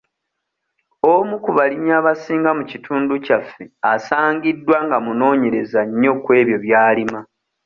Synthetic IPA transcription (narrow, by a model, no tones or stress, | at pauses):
omukuβaliɲaβasiːŋɡamucitʰuːnducafːe̞asaːɲɡidːwaŋɡamuno̞ːɲe̞ɾe̞zaɲːo̞kwe̞ːβjo̞βjaːlima